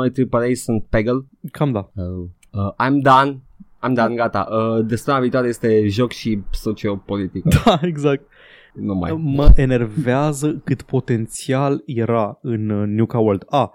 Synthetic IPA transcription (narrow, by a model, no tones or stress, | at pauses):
nojt̪ɾipəɾejsunt̪̚peɡəl | kʰamd̪aə | əʔajmd̪an | ajmd̪anɡat̪a̰ʔəd̪eseməmaviːt̪oaɾeje̞st̪e̞ʒo̞kʃiso̞t͡ʃio̞po̞lit̪ikd̪aeɡzak̚t̪̚ | numa̰jmməʔene̞rvveazəkɨt̪po̞t̪e̞nt̪sialje̞ɾaɨnːjukawəld̪a